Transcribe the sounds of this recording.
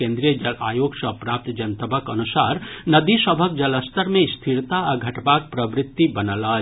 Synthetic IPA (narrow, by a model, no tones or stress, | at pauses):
ẽnd̪ɾijəd͡ʒəla̰joɡsəpɾaːp̚t̪d͡ʒənt̪əbʱəkənusaɾnəd̪isəbʱək̚d͡ʒələst̪ʰəɾmest̪ʰiɾt̪aəɡʱəʈbak̚pɾəbɾɪt̪ːibənələ